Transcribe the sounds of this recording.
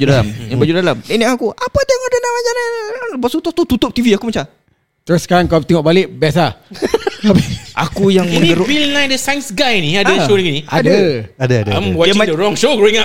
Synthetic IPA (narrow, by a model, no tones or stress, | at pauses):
d͡ʒudalamjaŋbad͡ʒudalamdɛʔnɛʔkakuʔapadajaŋadənamad͡ʒananbɔsut̪ʊt̪ut̪ut̪ʊp̚t̪iviakumat͡ʃa | t̪əɾʊsəkaɾaŋkat̪ɛŋɔʔbalɪʔ̚biasa | abiʔa̰kujaŋmə̃ŋɡəɾobilnãjndəsajnsɡajnĩadəʃoiŋiniadəadəaãmwɔəmadəɾɔ̃ŋʃoɡɾoĩŋa